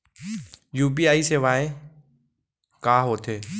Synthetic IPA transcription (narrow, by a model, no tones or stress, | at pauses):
juːpiːaːiseːʋaːẽ | kaːɦoːt̪ʰeː